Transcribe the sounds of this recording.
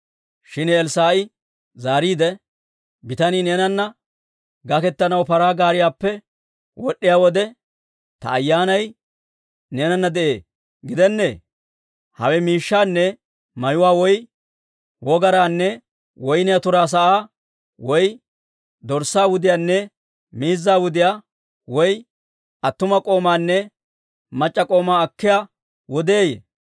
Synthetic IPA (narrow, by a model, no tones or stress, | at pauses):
ʃɪnɛɛlsaːʔɪ | zaːɾiːd̪ɛ | bɪt̪ɐnineːnɐnːɐ | ɡɐkɛt̪ːɐnɐwpɐɾaːɡaːɾɪjaːpːɛ | wɔɗːɪjaːwɔd̪ɛ | t̪ɐ̰ːjːaːnɐj | neːnɐnːɐd̪ɛʔe̞ː | ɡɪd̪ɛnːḛː | hɐwɛmiːʃːaːnːɛ | mɐjʊwaːwɔj | wɔɡɐɾaːnːɛ | wɔjnɪjat̪ʊɾaːs̬ɐʔaː | wɔj | d̪ɔɾsaːwʊd̪ɪjaːnːɛ | miːzːaːwʊd̪ɪjaː | wɔj | ʔɐt̪ːʊmɐkʼo̞ːmaːnːɛ | mɐt͡ʃʼːɐkʼo̞ːmaːɐkːɪjaː | wɔd̪eːjḛ